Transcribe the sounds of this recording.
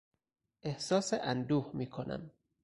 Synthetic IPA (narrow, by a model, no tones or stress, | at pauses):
ʔehsɒːseʔænd̪uːhmiːkʰonʔæ̰m